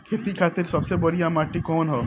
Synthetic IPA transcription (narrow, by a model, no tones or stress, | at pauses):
kʰɪt̪ikʰaːt̪ɪɾsɐbsebɐɾiamaːʈːikɔːnɦoː